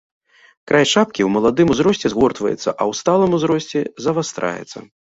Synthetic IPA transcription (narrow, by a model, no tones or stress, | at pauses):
kɾʔajʂap̚kʲiwmɐlˠad̪ɨmuzɾɔsʲt͡sʲɛzɣɔrt̪vɐ̰jɛ̰t̪sːɐʔɐwst̪alˠɨmuzɾɔsʲt͡sʲɛzɐvast̪ɾa̰jɛ̰t̪sːɐ̰